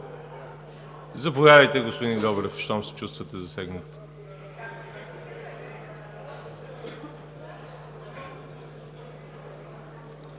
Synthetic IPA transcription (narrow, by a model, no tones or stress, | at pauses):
zɐpovadəjt̪ɛɡospod̪iɡ̪ɔbɛɾɛfʃt̪ɔmsɛ̥t͡ʃust̪vət̪ɛzɐsɛɡnət̪ə̥